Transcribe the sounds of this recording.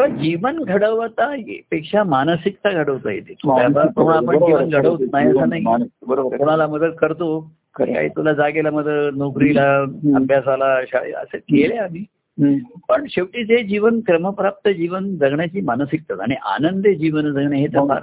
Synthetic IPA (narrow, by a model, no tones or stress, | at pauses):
t̪eʋad͡ʑiʋənɡʱəɽəʋt̪aɦḛpekʂamanəsikt̪aɡʱəɽəʋt̪ajḛt̪et̪ut̪jabapoɾuɳapəɳd͡ʑiʋənɡʱəɽəʋt̪naɦjəsənaɦiəpuɽ̤̃alaməd̪əd̪̚kəɾt̪o | kka̰ɦḭt̪ulad͡zaɡelaməd̪ʱənokɾilaəbʱjasalaɕaɭḛə̰səkeleamiː | pəɳɕeʋʈit͡sed͡ʑiʋənkɾəməpɾap̚t̪əd͡ʑiʋənd͡zəɡɳjat͡ɕiːmanəsik̚t̪at̪aɽ̃iʔa̰nənd̪ed͡ʑiʋənd͡zəɡɳjaɦet̪əɾpa̰ɾ